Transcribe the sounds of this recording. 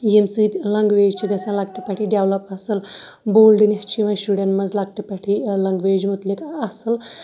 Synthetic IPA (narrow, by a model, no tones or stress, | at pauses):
jemsiːd̪lɐŋɡʋeːd͡ʒt͡ʃʰiɡɐsãlɐk̚ʈipɐʈʰiɖeʋlɐpɐsɨl | boːlɖinɐht͡ʃʰiʋɐ̃sʃuɽenmɐzlɐɡ̚ʈipɐʈʰilɐŋɡʋeːd͡ʒmut̪likɐsɨl